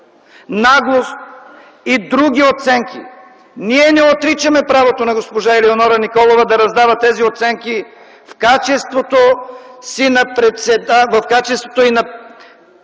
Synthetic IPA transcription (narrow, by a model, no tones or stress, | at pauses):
naɡlˠos | id̪ɾuɡʲiot̪sɛŋkʲi | niɛnɛot̪ɾit͡ʃɐmɛpɾavot̪onɐɡospoʒailɛonɔɾɐnikɔlˠovɐd̪ɐɾɐzd̪avɐt̪ɛziot̪sɛŋki | fkat͡ʃɛst̪vot̪osinɐpɾɛt̪sɛd̪avɐfkat͡ʃɛst̪vo̥t̪oinɐ